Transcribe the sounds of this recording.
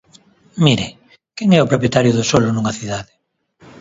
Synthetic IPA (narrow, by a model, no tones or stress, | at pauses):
miɾe | kɛŋɛʊpɾopjet̪aɾjʊðʊsolʊnuŋɐθiðaðɪ